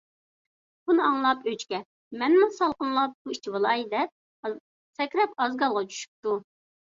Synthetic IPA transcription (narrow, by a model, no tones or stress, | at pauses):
b̥unɨɑŋlˠɑpøt͡ʃkʲɛ | mɛnmusɑlˠqənlˠɑp̚b̥uit͡ʃʰivɨlˠɑjid̪ɛp̚ | sɛkʲɾɛpɑzɡɑlˠʁɑt͡ʃʰy̥ʃy̥p̚t̪u